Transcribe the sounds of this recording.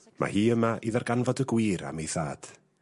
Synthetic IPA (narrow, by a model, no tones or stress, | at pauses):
mʔa̰hiːəmaʔiðarɡanvɔdəɡwiːɾa̰mejθaːd̥